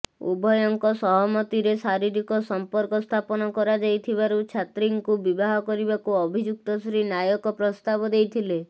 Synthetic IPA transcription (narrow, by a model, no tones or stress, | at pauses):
ṵbʱɔjɔŋkɔsɔɦɔmɔt̪iɾesaɾiɾikɔsɔmpɔɾkɔst̪ʰapɔnɔkɔɾad͡ʒajt̪ʰibaɾut͡ʃʰat̪ɾiŋkubibaɦɔkɔɾibakuɔbʱid͡ʒuk̚t̪ɔsɾinajɔkɔpɾɔst̪abɔd̪ejt̪ʰile